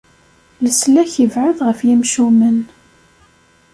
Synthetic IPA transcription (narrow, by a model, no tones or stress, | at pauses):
ləslæçəvʕʊðʁəfjimʃumən